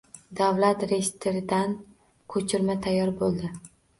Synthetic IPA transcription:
d̪avlat̪ɾejst̪ʰeɾɪd̪an | kʰɵt͡ʃʰɪɾmat̪ʰajːɒɾbolˠd̪ɪ

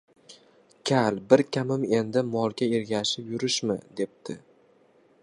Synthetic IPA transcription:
kʲʰalbɪɾkʲʰamɪme̞nd̪ɪmɒlˠɡʲaeɾɡʲaʃɪpjʊɾɪʃmɪd̪e̞p̚t̪ʰɪ

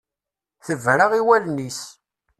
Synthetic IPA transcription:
θəvɾaʁiwælnis

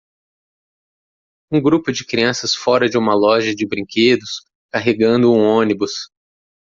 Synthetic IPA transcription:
ũɡɾupʊd͡ʒɪkɾiɐ̃sɐsfɔɾɐd͡ʒɪũmɐlɔʒɐd͡ʒɪbɾĩkʰed̪ʊs | kaɦeɡɐ̃nd̪ʊũõnibʊs

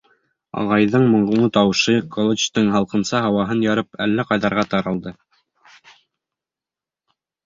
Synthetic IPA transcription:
ɑ̰ʁɑjðɤɴmŏɴʁuɴɤt̪ɑwɤʃɤkʰolˠot͡ʃt̪ɤɴɦɑlˠqɤ̆nsɑɦɑwɑɦɤnjɑɾɤpælːæqɑjðɑɾʁɑt̪ɑɾɑlˠd̪ɤ

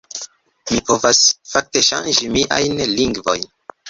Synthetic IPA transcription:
mipo̞vasfak̚te̞ʃa̰nd͡ʒimiʔa̰jnliŋɡvo̞̰jn

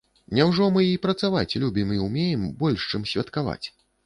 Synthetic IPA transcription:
nʲawʐɔmɨipɾɐt̪savat͡sʲlʲubʲimiumʲejɛmbɔlʲʂt͡ʂɨmsʲvʲɐt̪kava̰t͡sʲ

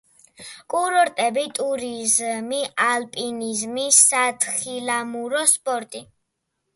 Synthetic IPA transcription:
kʼuɾɔɾt̪ʼɛbit̪ʼuɾizmiʔalpʼinizmisat̪ʰχilamuɾɔspʼɔɾt̪ʼi

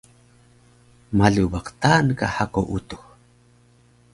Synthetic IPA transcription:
maɮubaqt̪aːnkahakoʔut̪u̥x

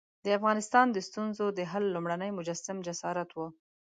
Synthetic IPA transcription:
d̪əafɣɑnɪst̪ɑnd̪əst̪unzod̪əɦalːumɽanəjmʊd͡ʒasamd͡ʒasɑɾat̪wu

